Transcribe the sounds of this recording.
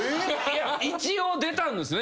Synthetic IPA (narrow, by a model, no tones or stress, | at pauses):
jait͡ɕiod̪e̞t̪ãnd̪esɨne